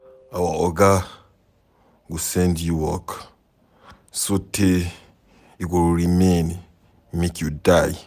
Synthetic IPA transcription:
awaɔɡa | ɡusɛ̃ndjuwɔk | sotʰe | ikulɹimẽn | mekjudaj

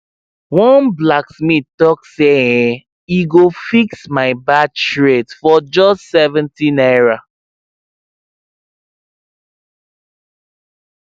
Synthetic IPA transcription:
wɔ̃nblaksmitɔkse | iɡofiksmaɪbat͡ʃʃɹetfɔd͡ʒɔstsɛvɛ̃ntĩnɛɹa

